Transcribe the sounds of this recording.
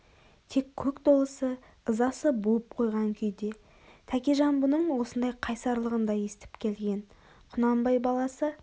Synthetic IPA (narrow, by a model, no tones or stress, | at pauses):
t̪ʰe̞kʲʰːɵkt̪o̞lˠəsə | əzɑsəbolˠəp̚qʰo̞jʁɑŋkʲʰʏjd̪e̞ | t̪ʰækʲeʒɑmbʊnəɴwo̞sənd̪ɑjqʰɑjsɑɾlˠəʁənd̪ɑje̞sɪt̪ɪ̥pkʲʰe̞lɡʲe̞n | qʰʊnɑmbɑjbɑlˠɑsə